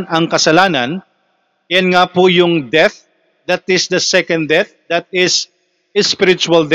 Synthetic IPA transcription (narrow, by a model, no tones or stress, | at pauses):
nɐŋkɐsɐlaːnɐn | jɐnŋaːpʊjʊŋd̪ɛθ̚ | d̪ɐt̪ɪsd̪ɐsɛkɐ̃nd̪d̪ɛθ̚ | d̪ɐt̪̚ɪs | ɪspɪɾɪt͡ʃʊɐld̪